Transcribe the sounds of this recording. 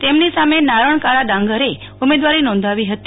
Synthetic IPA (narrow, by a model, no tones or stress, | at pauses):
t̪emnisamenaɾəɳ̃kaɾad̪ãŋɡəɾe | ʊmed̪ʋaɾinɔ̃nd̪ʱaʋiɦət̪